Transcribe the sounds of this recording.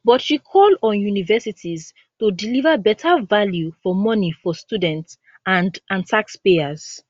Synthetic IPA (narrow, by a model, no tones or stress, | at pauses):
bɔtʃikʰɔlˠdɔ̃njunivɛsitiz | tudilivəbɛtʰəvaljufɔmɔnifɔstudɛ̃nts | ãndãntʰakspeəz̥